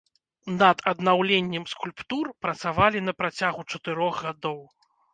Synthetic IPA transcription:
nɐd̪ɐd̪nawlʲenʲːɛmskulʲpt̪urpɾɐt̪savalʲin̪ɐpɾat͡sʲaɣut͡ʂɐt̪ɨɾɔɣɣad̪ɔw

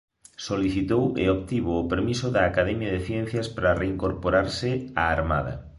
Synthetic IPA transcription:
soliθit̪owḛok̚t̪iβoːpeɾmisʊðɐːkaðɛmjɐðeθjɛn̟θjɐspɾareiŋkoɾpoɾaɾsɪaːɾma̰ðɐ̰

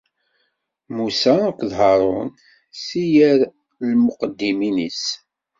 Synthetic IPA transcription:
musækʷðɦɑɾˤʊn | sijəɾ | lməqəd̪ːiminḭs

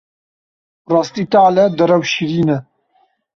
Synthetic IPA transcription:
rɑːst̪iːt̪aːlɛd̪ɨɾɛwʃiɾiːnɛ

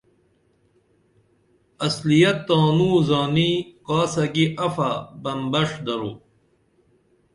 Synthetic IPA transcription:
ɐslijɐt̪ːaːnuːzaːniqaːsɐɡiʔɐfabɐmbɐʂd̪ɐɾṵ

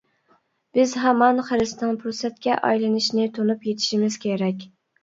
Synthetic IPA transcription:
b̥ɪzɦɛmɑnχəɾɨsnɨŋpʰɾusɛt̪̚kʲɛʔɑ̰jlˠɨnɪʃnɪt̪ʰonupjet̪ʰɪ̥ʃimɪz̥kʲʰeɾɛkʲ

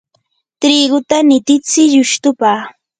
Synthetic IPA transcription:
t̪ɾiɢʊt̪anɪt̪ɪt͡sɪʎʊʃt̪ʊpaː

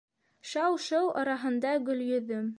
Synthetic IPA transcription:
ʃɑwʃɤwˠʔɑ̰ɾɑɦɤ̆nd̪ɑɡɵ̆ljɵ̆ðːɵm

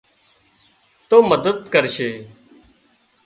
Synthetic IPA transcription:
t̪oːməd̪əd̪kəɾʃeː

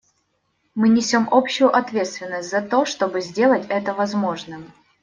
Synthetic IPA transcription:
mɨnʲɪsʲo̞mʔo̞pɕːʊjʊʔɐt̪vʲe̞t̪st̪vʲɪnːəsʲtʲzɐt̪o̞ʂt̪o̞bɨzʲdʲe̞lˠətʲɛt̪əvɐzmo̞ʐnɨm

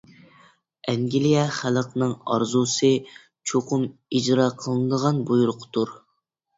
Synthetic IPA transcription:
ɛŋɡʲilijɛχælˠəqnɨŋɑ̰ɾzusɨ | t͡ʃʰoqʰʊmid͡ʒɾɑːqʰəlˠɨnɨd̪əʁɑnbujuɾʊqʰt̪uɾ

